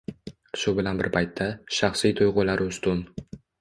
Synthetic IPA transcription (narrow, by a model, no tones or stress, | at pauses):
ʃʊbɪlanbɪ̰ɾpʰajt̪ʰːaʃɑχsijt̪ʰʊjʁʊlaɾʔɪʊst̪ʊn